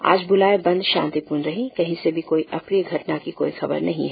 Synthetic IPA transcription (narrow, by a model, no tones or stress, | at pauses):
a̰ːd͡ʒbʊlaːebɐ̃nd̪ʃã̰ːnt̪ipuːɾnɾɐɦĩkɐɦĩsebʱikoːiʔɐpɾijəɡʱɐʈnakiko̰ːixɐbə̰ɾnɐɦĩɦɛː